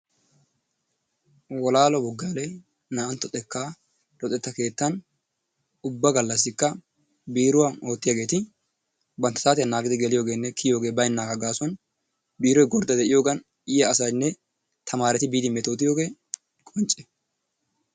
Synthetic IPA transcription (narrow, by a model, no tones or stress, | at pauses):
wɔlaːlɔbɔɡːaːlɛj | naːɐnt̪ːɔt̪ʼɛkːaː | ɾɔt̪ʼɛt̪ːɐke̞ːt̪ːɐn | ʊbːɐɡɐlːɐs̬ːɪkːɐ | biːɾʊwɐno̞ːt̪ːɪjaːɡe̞ːt̪ɪ | bɐnt̪ːɐ̥t̪aːt̪ɪjɐnːaːɡɪd̪ɪɡɛlɪjo̞ːɡeːnːɛkʰɪjo̞ːɡeːbɐjɪnːaːɡɐɡaːsɔn | biːɾɔjɡɔɾd̪ɐd̪ɛʔɪjo̞ːɡɐn | ɪjɐɐsɐjnːɛ | t̪ʰɐmaːɾɛt̪ɪbiːd̪ɪmɛt̪oːt̪ɪjo̞ːɡe̞ː | kʼɔnt͡ʃʼːɛ̥